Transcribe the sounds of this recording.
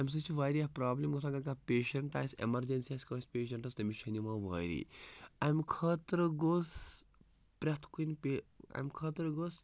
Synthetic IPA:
ɐjms̬ɐt͡ʃʰʋaːjɾiɐpɾaːblɐmɡɐsãːɡɐɾkapeːʃɐɳʈa̰ːsḛmɐɾd͡ʒɐnsiɐskɐːspeːʃɐɳʈɐsd̪ɐmiʃʰɐnimaːʋa̰ːɾḭɐjmkʰɐːt̪ɾəɡoːs | pɾʲɐt̪ʰkunpea̰jmkʰɐt̪ɾɡos

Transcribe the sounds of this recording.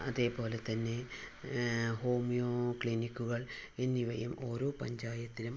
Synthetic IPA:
ɐ̰ðe̞ːpo̞ːle̞t̪ɐnːe̞ | ho̞ːmijoːkɭinikːuɣɐɭenːiʋɐjumo̞ːɾo̞ːpɐɲd͡ʑaːjɐt̪ːilum

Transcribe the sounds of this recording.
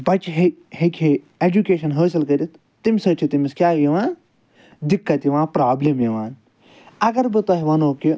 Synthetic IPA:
bɐt͡ʃɦehekʰeː | ed͡ʒukeːʃɐnɦəːs̬ɐlkɐɾit̪ | t̪imʲsɐt͡ʃʰit̪imiskʲjaːjiʋãːn | d̪ikːɐt̪iʋãːpɾaːblemjiʋãːn | ɐɡɐɾbɨt̪ɐɦiʋɐnoːki

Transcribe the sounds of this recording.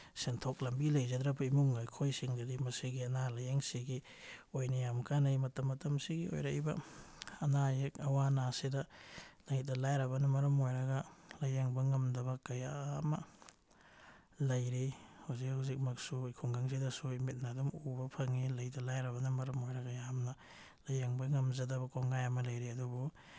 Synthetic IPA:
sentʰok̚lɐmbilɐjzɐdɾɐbɐimuŋːajkʰojsiŋdɐdimɐsiɡiɐnalɐjeŋsiɡi | ojnɐjamkanɐjmɐtɐmːɐtɐmsiɡio̰jɾɐibɐ̰ɐnajek̚ɐwanasidɐlɐjdɐlajɾɐβɐnɐmɐɾɐmojɾɐɡɐlɐjaŋbɐŋɐmdɐβɐkɐjaːmɐ | lɐjɾihawzikhuwzik̚mɐksukʰuŋɡaŋs̬idɐsuimit̚nɐːdumubɐpʰɐŋilɐjdɐlajɾɐβɐnɐmɐɾɐmojɾɐɡɐjamnɐ | lɐjaŋbɐŋɐmzɐdɐbɐkoŋɡajɐmɐlɐjɾiɐdubu

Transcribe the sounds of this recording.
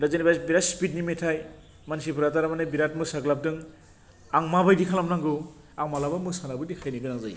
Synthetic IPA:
ɾazenibajbiɾatspit̚nimetʰaj | mansipʰɯɾataɾamanabiɾat̚mɯsaɡlap̚dɯŋ | aŋmabajdikʰalamnaŋɡɯ | aŋmalabamɯsanabɯdikʰajniɡɯnaŋza̰j

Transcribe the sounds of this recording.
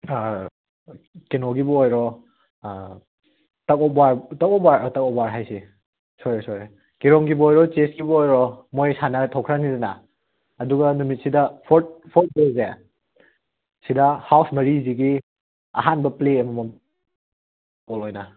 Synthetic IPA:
kenoɡibɔojɾɔ | tɐkɔbaɾtɐkɔbaɾtɐkɔbaɾɦajsi | sɔjɾesɔɾe | kiɾɔŋɡibɔojɾɔt͡ʃesɡibɔojɾɔmojsanɐtʰɔwkʰɾanizɐnaː | duɡɐnumit̚sidɐpʰɔɾt̚pʰɔɾt̚deze | sidɐhawsmɐɾiziɡi | ɐ̰ɦanbɐpleɐmɐmɐm | ɔlɔjnɐ

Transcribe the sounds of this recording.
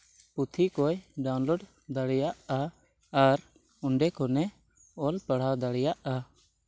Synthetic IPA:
put̪ʰikɔjɖawnloɖ | d̪aɽɛjaʔa | aɾ | uɳɖɛkɔnɛ | ɔlpəɽ̤ad̪aɽɛjaʔa

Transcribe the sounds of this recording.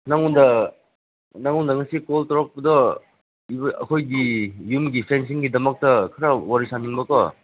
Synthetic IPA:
naŋundɐ | naŋundɐŋɐsikoltɔɾɔk̚pɐdɔ | ibɐ̰kʰojɡijumɡipʰens̬iŋɡidɐmɐk̚tɐkʰɐɾɐwaɾisaniŋbɐkɔ

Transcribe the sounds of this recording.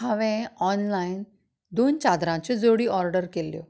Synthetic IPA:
ɦaʋẽɔnlain | d̪ont͡ɕad̪ɾãt͡ɕed͡zoɽiːɔɾɖəɾkeljo

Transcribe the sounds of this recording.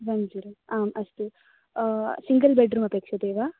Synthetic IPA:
ʋɐnd͡ʒuɾuaːmɐst̪u | siŋɡɐlbeɖɾuːmɐpeːkʂɐd̪eːʋaː

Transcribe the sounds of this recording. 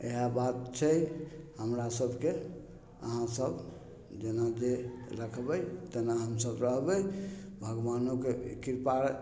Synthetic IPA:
ḛɦabat̪̚t͡ʃʰɛhəmɾasəbʱke | ə̰ɦãsəb | d͡ʒenad͡ʒeɾəkʰbəjt̪ənaɦəmsəbɾəɦbɛbʱəɡbanokekiɾpaɾ

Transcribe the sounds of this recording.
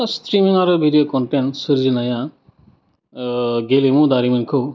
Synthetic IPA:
ast̪ɾimiŋaɾɯbʱidijokɔɳʈeɳʈsɨɾd͡ʒinaja | ɡelimũd̪aɾiminkʰo

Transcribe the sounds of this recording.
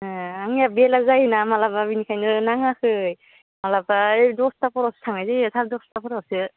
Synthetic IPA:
aŋjabelazajnamalababinikʰajnɯnaŋahɯj | malabaedɔstapɔɾawsɯ̥tʰaŋajzɯsʰaɾdɔstapʰɔɾawsɯ

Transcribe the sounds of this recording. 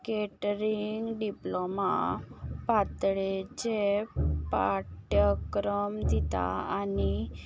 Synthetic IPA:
keʈɾiŋɡɖiploma̰pat̪ɭet͡ɕepaʈjəkɾəmd̪it̪a̰ani

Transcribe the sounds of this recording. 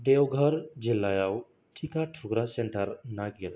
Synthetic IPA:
ɖewɡʱəɾd͡ʑelːajaw | ʈʰikaʈʰuɡɾaseɳʈəɾnaɡel

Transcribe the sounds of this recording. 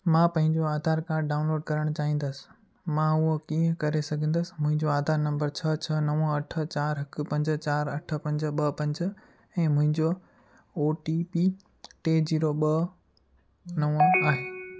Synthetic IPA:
mãːpɐ̃ɦɪ̃ɲd͡ʑoaːd̪ʱaːɾkaːɾɖaːʊnloːɖkɐɾəɽ̃t͡ɕaːɦĩːn̆d̪əsɪ̥ | mãʊokĩːə̃kɐɾesɐɡʱə̃n̆d̪əsɪ̥̆mʊ̃ɦɪ̃ɲd͡ʑoaːd̪ʱaːɾnɐ̃mbəɾt͡ɕʰɐt͡ɕʰɐnɐʋəɐʈʰə̆t͡ɕaːɾɦɐkɪpɐ̃ɲd͡ʑt͡ɕaːɾɐʈʰəpɐ̃ɲd͡ʑɓɐpɐ̃ɲd͡ʑ | ɛ̃ːmʊ̃ɦɪ̃ɲd͡ʑo | oːʈipiː | ʈeːd͡ʑiːɾoɓɐ | nɐʋaːɦeː

